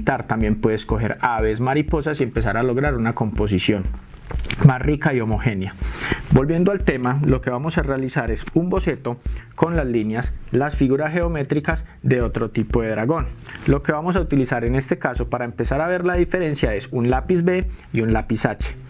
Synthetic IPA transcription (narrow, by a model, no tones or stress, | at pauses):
t̪aɾt̪ambje̞mpwe̞ðesko̞xe̞̰ɾaβe̞s̬maɾipo̞sasie̞mpe̞saɾalo̞ɣɾaɾunako̞mpo̞s̬isjo̞n | masrikaio̞mo̞xe̞njabo̞lbje̞nd̪oalt̪e̞malo̞ke̞βamo̞sarealisaɾe̞sumbo̞se̞t̪o̞ko̞nlazlinjaslasfiɣuɾasxe̞ome̞t̪ɾikazd̪e̞o̞t̪ɾot̪ipo̞ðe̞ðɾaɣo̞nlo̞ke̞βamo̞saut̪ilisaɾe̞ne̞st̪ekaso̞paɾaempe̞saɾaβe̞ɾlaðife̞ɾe̞nsjae̞sunlapizbe̞iunlapisat͡ʃe̥